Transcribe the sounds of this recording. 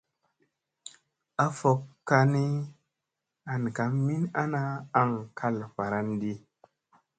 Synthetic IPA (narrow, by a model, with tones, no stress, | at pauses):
a˦fo˨kːa˧ni˦ | a˨nka˨˦mmːi˦na˦naː˦ŋkʰa˦lfa˨ɾa˦ndi˦